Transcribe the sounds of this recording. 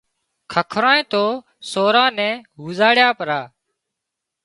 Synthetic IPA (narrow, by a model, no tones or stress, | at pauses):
kʰəkʰɾãːẽːt̪oː | soːɾãːnɛ̃ːɦuːzaːɽjaːpəɾaː